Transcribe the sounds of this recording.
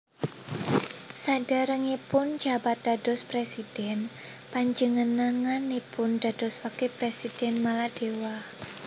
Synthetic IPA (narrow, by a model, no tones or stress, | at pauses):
sad̥aɾəŋepʊnd͡ʒabat̪̚d̪̥a̤d̥ɔspɾesid̥ɛn | paɲd͡ʒəŋənaŋanepʊnd̥a̤d̥ɔswakepɾesid̥ɛnmalad̥ewah